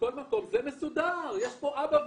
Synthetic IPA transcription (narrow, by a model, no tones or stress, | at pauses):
ko̞lmako̞mzemesud̪aʁjeʃpo̞ʔabav